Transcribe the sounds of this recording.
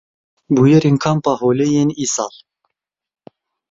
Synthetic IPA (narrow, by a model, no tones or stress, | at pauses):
bujɛɾenkʰɑmpɑɦolejeniːsɑ̰l